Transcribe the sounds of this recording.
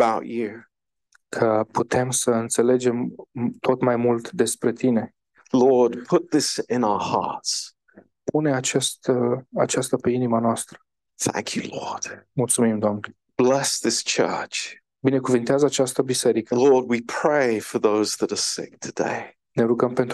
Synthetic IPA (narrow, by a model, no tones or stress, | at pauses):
baʊʔʉ | kʰəput̪ʰe̞msəɨnt̪se̞le̞d͡ʒe̞mt̪ʰo̞t̪majmult̪d̪e̞spɾe̞t̪ine̞ | lɔɹdpʰʊt̪̚ðɪsɪ̃naʊə˞hɑ̰ɹts | puneat͡ʃest̪əat͡ʃast̪əpeinimanoast̪ɾə̥ | θæ̰̃ŋkʰjɨ̰lɔ̰ɹd̥mult̪sumimd̪oamne | b̥lɛsðɪst͡ʃʰɜ̰˞t͡ʃ | bine̞kuvɨnt̪eazəat͡ʃast̪əbise̞ɾikəlɔɹd̚wipʰɹ̥eɪfə˞ðoʊzðəɾə˞sɪ̰k̚tʰɨdḛɪ | ne̞ɾuɡəmpe̞nt̪